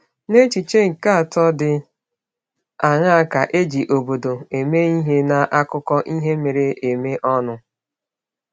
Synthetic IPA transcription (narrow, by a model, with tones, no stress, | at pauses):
ne˦t͡ʃi˨t͡ʃe˦ŋ̩˨ka˦a˨tɔ˦dɪ˨ | a˨ŋa˦a˦˨ka˨ʔe˦d͡ʒi˨ʔo˨bo˨do˨e˨me˦i˦ɦe˦na˨ʔa˦kʊ˦kɔ˦ʔi˦ɦe˦me˨ɾe˦e˨me˦ʔɔ˦nʊ˦